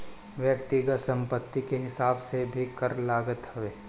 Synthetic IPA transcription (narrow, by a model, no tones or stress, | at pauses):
ʋjəkt̪ɪɡət̪sə̃mpət̪ːikeɦɪsaːbsebʱikəɾlaːɡət̪hɐʋeː